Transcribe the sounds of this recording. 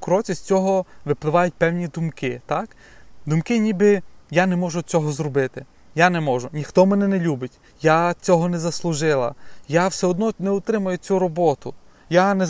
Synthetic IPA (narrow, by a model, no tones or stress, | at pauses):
kɾɔt͡sʲɐsʲt͡sʲɔɦɔʋɪplˠɪʋɑjʊt̚ʲpɛwnʲid̪ʊmkɪt̪ak | d̪ʊmkɪnʲibɪjanɛmɔʒʊt͡sʲɔɦɔzrɔbɪt̪ɪ | janɛmɔʒʊnʲixt̪ɔmɛnɛnɛlʲubɪtʲ | jat͡sʲɔɦɔnɛzɐslˠʊʒɪlˠɐ̰jawsɛɔd̪nɔnɛʊt̪ɾɪmɐjʊt͡sʲuɾɔbɔt̪ʊ | janɛ